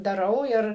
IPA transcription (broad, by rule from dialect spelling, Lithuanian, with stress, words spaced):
dɐˈrɐʊ ˈɪr